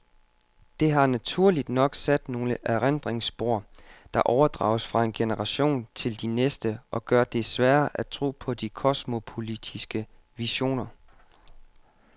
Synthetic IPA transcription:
d̥e̝ɦɑ̈næt͡sʰuɐ̰lid̥nɒ̽ɡ̥sæd̥no̝ːləʔæʁend̥ʁeŋsb̥o̝ɐ̰d̥ɑ̈ʔɒʊɐd̥ʁɑ̰̈ʊsfʁɑ̈e̝nɡ̥enəʁɑ̈ɕo̝̰ːnt͡sʰe̝ld̥inesd̥əʔɒ̽ɡ̥ɶɐd̥e̝sʋæːɐʔæt͡sʰʁo̝̰ːpʰɒ̽d̥ikʰɒsmo̝pʰo̝lid̥ʰisɡ̥ə | ʋiɕo̝̰ːnɐ

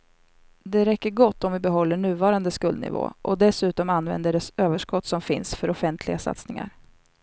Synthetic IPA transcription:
d̪ɛɾɛkːəɾɡɔt̪ːɔmvɪbɛɦɔlːəɳʉ̟ːvɑːɾand̪əskɵld̪̚nɪ̰vo̰ːʔɔd̪ɛsʉ̟ːt̪ɔmanvɛ̰nd̪əɖɛsøːvəʂkɔt̪ːsɔmfɪnsfœɾɔfɛnt̪ʰlɪɡasa̰t̪snɪŋa̰ɾ

